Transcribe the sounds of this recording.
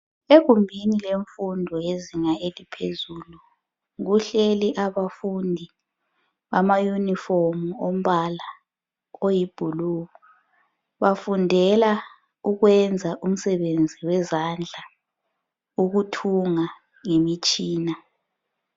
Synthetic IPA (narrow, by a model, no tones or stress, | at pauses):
eɣumbʱinileɱfundʱɔjeziŋaelipʰezulu | ŋuɬeliʔaβafundʱi | βamajunifomuom̩βala | ojib̥ʱuluwɔ | βafundʱɛla | uɣwɛnd͡zʱaʔum̩sɛβend͡zʱiwɛzand͡ɮʱa | uɣutʰuŋa | ŋemit͡ʃʼiːna